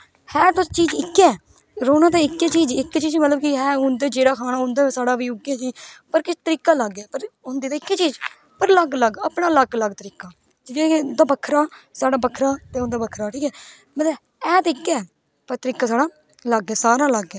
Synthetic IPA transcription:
hɛːt̪ʊst͡ʃiːd͡ʒɪkːɛː | ɾoːnãːt̪aːɪkːeːt͡ʃiːd͡ʒɪkːt͡ʃiːd͡ʒmət̪ləbkiɦɛːʊnd̪eːd͡ʒeːɽaːkʰaːnaːʊ̃nd̪aːesaːɽaːʋiːʊɡeːsiːpəɾkɪt͡ʃt̪əɾiːkaːləɡɛːpəɾʊnd̪iːt̪aːɪkːeːt͡ʃiːd͡ʒ | pəɾləɡləɡəpɳãːləɡləɡt̪əɾiːkaː | d͡ʒɪd͡ʒekʊnd̪aːbəkʰɾaːsaːɽaːbəkʰːɾaːt̪eːʊnd̪aːbəkʰɾaːʈʰiːkɛː | mət̪ləb | ɛːt̪ːɪkːɛː | pəɾt̪əɾiːkaːsaːɽaː | ləɡːɛːsaːɾaːləɡɛː

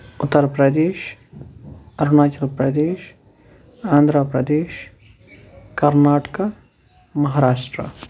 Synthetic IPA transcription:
ʊt̪ːəɾpɾɐd̪eːʃ | ɐɾnaːt͡ʃɐlpɾɐd̪eːʃ | ãːnd̪ʱɾəpɾɐd̪eːʃ | kɐɾnaːʈka | mɐɦaːɾaːʃʈɾə̰

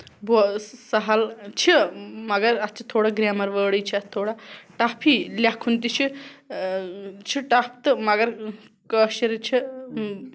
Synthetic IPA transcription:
bosɐɦɐlt͡ʃʰimɐɡɐɾɐst͡ʃʰi̥t̪ʰːoːɽaɡɾaːmɐɾʋəːɽəjt͡ʃʰiɐt̪ʰoːɽaʈapʰilʲakʰunt̪it͡ʃʰi | t͡ʃʰiʈap̚ʰt̪ɨmɐɡɐɾ | kəʃɐɾt͡ʃʰi

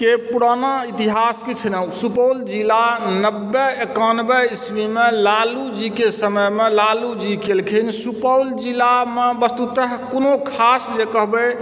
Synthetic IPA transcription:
kepuɾanait̪iɦaskit͡ʃʰnəsupəwld͡ʒilanəbːɛekanbɛismimelalud͡ʒikesəməjmelalud͡ʒikelkʰinsupəwld͡ʒilamebəst̪ut̪əɦkonokʰasd͡ʒekəɦbe

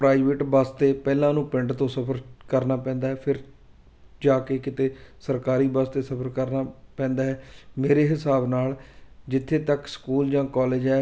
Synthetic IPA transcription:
pɾaːɪʋeʈbaːst̪eːpɛːlãːnũːpɪɳɖt̪õːsəpʰəɾkəɾnaːpɛ̃ːnd̪aːɦɛːpʰɪɾ | d͡ʒaːkeːkɪt̪eːsəɾkaːɾiːbaːst̪eːsəpʰəɾkəɾnaːpɛ̃ːnd̪aːɦɛːmeːɾeːɦɪsaːbnaːld͡ʒɪt̪ʰːeːt̪əkskuːld͡ʒãːkɔːleːd͡ʒɛː

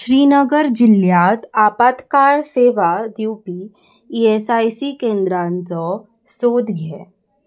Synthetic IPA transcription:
ʃɾiːnəɡəɾd͡ʒɪljaːt̪aːpaːt̪kaːɾseːʋad̪juːpi | iːeːsaːisikẽːnd̪ɾãːnzɔ | soːd̪ɡɛː

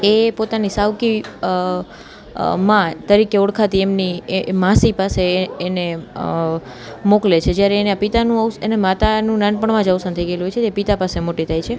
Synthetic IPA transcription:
epot̪anisaʋki | mãt̪əɾikeɔɽkʰat̪iemnimãsipaseːne | moklet͡ʃʰed͡ʒjaɾeːneapit̪anũəsenemat̪anũnãnpəɳmãd͡ʒəwsãnt̪ʰəjɡeeluɦojt͡ʃʰeepit̪apasemoʈit̪ʰajt͡ʃʰe

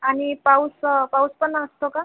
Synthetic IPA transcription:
anipawspawspənaːst̪ʰoka

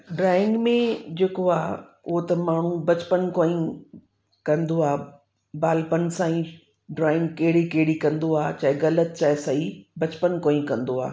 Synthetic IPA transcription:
ɖɾaːɪ̃ŋɡmẽd͡ʑeːkoaː | ʊɦot̪ɐmaːɳ̤ũbɐt͡ɕpənkoːĩ | kɐ̃nd̪oaː | baːlpənsãːĩ | ɖɾaːɪ̃ŋɡkɐɦɪɽikɐɦɪɽikɐ̃nd̪oaːt͡ɕɐɦɪɣɐlət̪̚t͡ɕaːɪsɐibɐt͡ɕpənkoːĩkɐ̃nd̪oa̰ː

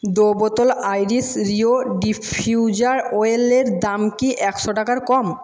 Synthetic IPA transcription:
d̪obot̪olajɾisɾioɖifʰiuwd͡ʑaɾoeleɾd̪amkiʔɛkʃoʈakaɾkɔm

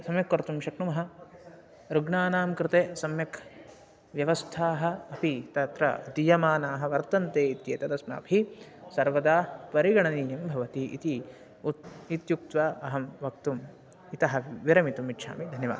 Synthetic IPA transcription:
sɐmjɐkʋɐɾt̪umʃɐkɳumɐɦɐ̆ | ɾuɡɳaːnaːmkɾɪt̪eːsɐmjɐkʰ | ʋjɐʋɐst̪ʰaːɦɐ̆ɐpit̪ɐt̪ɾɐ̰d̪ijɐmaːnaːɦɐ̆ʋɐɾt̪ɐnt̪eːit̪jeːt̪ɐd̪ɐsna̰ːbʱisɐɾʋɐd̪aːpɐɾiɡɐɳɐniːjɐmbʱɐʋɐt̪iʔḭt̪i | it̪juk̚t̪ʋaʔɐɦɐmʋɐk̚t̪um | it̪ɐɦɐ̆ʋiɾɐmit̪umit̪ːʃʰa̰ːmid̪ʱɐnjɐʋa̰ːd̪

